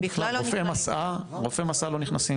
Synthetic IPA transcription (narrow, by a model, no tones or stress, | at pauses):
iχlaloffemasaʁofemasalo̞niχnasi